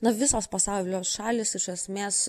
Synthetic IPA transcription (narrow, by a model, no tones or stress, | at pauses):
nɐʋʲɪsoːspɐsɑʊlʲoːsʃɑːlʲɪsɪʃɐsʲmʲeːs